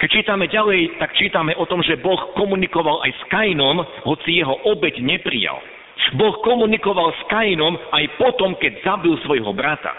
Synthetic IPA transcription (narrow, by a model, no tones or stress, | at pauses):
kɛc̚t͡ʃiːt̪amɛɟalɛjt̪akt͡ʃiːt̪amɛʔɔt̪ɔmʒɛbɔxkɔmunikɔʋala̰jskajnɔm | ɦɔt͡sijɛɦɔʔɔbɛɟɲɛpɾḭja̰l | bɔxkɔmunikɔʋalskajinɔmajpɔt̪ɔmkɛɟzabilsʋɔjɦɔbɾat̪a̰